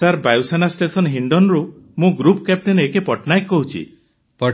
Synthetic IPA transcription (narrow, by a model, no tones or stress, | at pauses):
saɾbajusanasʈesɔnɦiɳɖɔnɾumũɡɾupkap̚ʈenekepɔʈnajkːɔɦut͡ʃʰḭ | pɔ